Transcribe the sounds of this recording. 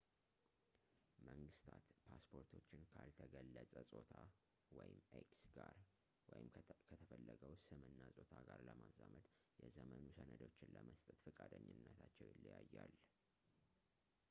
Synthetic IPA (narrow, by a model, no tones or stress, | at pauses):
məŋɡɨst̪ʰat̪pʰaspʰo̞ɾt̪ʰo̞t͡ʃːɪnkʰalt̪ʰəɡəlːət͡sʼəsʼo̞t̪ʰa | wɔjɪmːeksɡ̥aɾ | wɔjɪmkʰət̪ʰəfəlːəɡəwsɨmɨnːasʼot̪ʰaɡaɾləmazːamət̪ʼjɛzəmənusənəd̪o̞t͡ʃːɪnləməst̪ʼət̪fɨkʼad̪əɲːɪnːət̪ʰat͡ʃːɛwjɪlːijajːal